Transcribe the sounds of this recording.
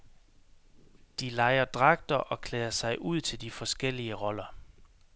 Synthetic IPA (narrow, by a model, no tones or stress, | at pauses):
d̥ilɑ̈ɪɐd̥ʁɑ̈ɡ̥̚d̥ɐʔɒ̽kʰlɛːɐsɑ̈ɪʔuð̞̰ˠt͡sʰe̝ld̥ifɒ̽sɡ̥el̰iəʁɒ̽lɐ